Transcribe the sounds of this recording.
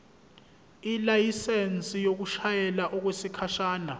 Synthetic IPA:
ilajisent͡sʼijok̬uʃajɛlaʔɔk̬wesikʰaʃaːna

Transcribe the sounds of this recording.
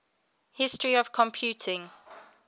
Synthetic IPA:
hɪstɹiəv̥kʰɔ̃mpʰjʉˑtʰɪ̃ŋ

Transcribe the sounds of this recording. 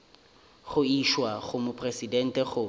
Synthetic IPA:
χʊiʃwaχʊmʊpʰʼresidɛn̩tɛχʊ

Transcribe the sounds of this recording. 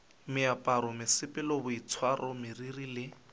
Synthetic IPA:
mɪapʼaɾɔmɪsɪpʼɪlɔbʊit͡sʰwarʔɔmɪririlɪ

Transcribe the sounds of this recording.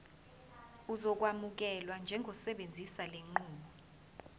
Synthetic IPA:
uzɔk̬wamuk̬ɛlwand͡ʒʱɛŋʱɔsɛɓend͡zʱisaleŋ͡ǃuːɓɔ

